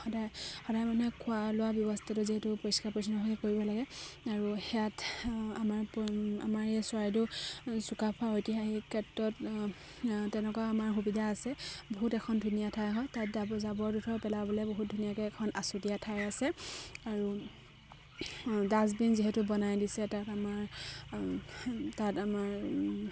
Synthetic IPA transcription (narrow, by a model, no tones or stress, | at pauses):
xɔdajxɔdajmanɛkʰʊalʊwabjɔbɔstʰatʊziɦɛtupoɹiskaɹpɔɹis̬ɔnɔɦɔkɛkoɹibɔlaɡɛaɹuxɛjatamaɹpa̰maɹeswaɹitʊsukapʰaojtixaɦikʰɛtɹɔt | tɛnɛkaamaɹxubidʱaːsɛboɦutɛkʰɔndʱunijatʰajɦɔjtatzabɔɹdutʰɔpɛlabɔlɛboɦut̚dʱunijakɛːkʰɔnasutijatʰajasɛaɹu | daz̬binziɦɛtubɔnajdisɛtatamaɹ | tatamaɹ